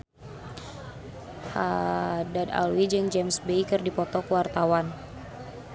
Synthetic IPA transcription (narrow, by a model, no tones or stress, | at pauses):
hadada̰lwid͡ʒəŋd͡ʒɛmsbejkɨrdipɔt̪ɔkəwart̪awan